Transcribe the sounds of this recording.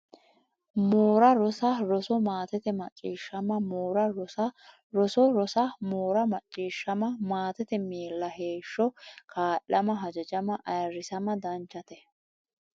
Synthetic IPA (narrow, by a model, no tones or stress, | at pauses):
moːɾɐɾɔsɐɾɔsɔmaːt̪ɛt̪ɛmɐt͡ʃʼːiːʃːɐmɐmoːɾɐɾɔsɐ | ɾɔsɔɾɔsɐmoːɾɐmɐt͡ʃʼːiːʃːɐmɐmaːt̪ɛt̪ɛmeːlːɐheːʃːɔkʰaːʔɐmɐɦɐd͡ʒɐd͡ʒɐmɐʔɐjɐɾːɪsɐmɐd̪ɐnt͡ʃːɐt̪ɛ